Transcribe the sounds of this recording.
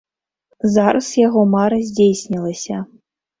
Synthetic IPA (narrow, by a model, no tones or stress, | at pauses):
zaɾɐsjaɣɔmaɾɐzʲd͡zʲejsʲnʲilˠɐsʲɐ